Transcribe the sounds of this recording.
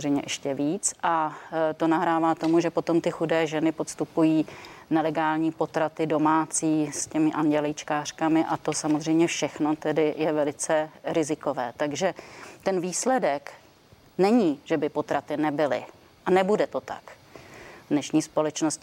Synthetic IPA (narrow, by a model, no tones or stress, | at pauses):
rɛjmɲɛʔɛʃcɛviːt͡sʔat̪o̞naɦɾaːvaːt̪o̞muʒɛpo̞t̪o̞mt̪ɪxudɛːʒɛnɪpo̞t̪st̪upujiːnɛlɛɡaːlɲiːpo̞t̪ɾat̪ɪdo̞maːt͡siːscɛmɪʔaɲɟɛlɪjt͡ʃkaːr̝̥kamɪʔat̪o̞samozr̝ɛjmɲɛfʃɛxno̞t̪ɛdɪjɛvɛlɪt͡sɛɾɪzɪko̞vɛːt̪aɡʒɛt̪ɛnviːslɛdɛk | nɛɲiːʒɛbɪpo̞t̪ɾat̪ɪnɛbɪlɪ̰ | ʔanɛbudɛt̪o̞t̪a̰k | vdnɛʃɲiːspo̞lɛt͡ʃnosc